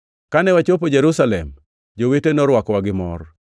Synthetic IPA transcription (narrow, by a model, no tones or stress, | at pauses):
kanɛwat͡ʃop̬od͡ʒeɾusalɛ̰m | d͡ʒowetenɔɾwakwaɡɪmɔ̰r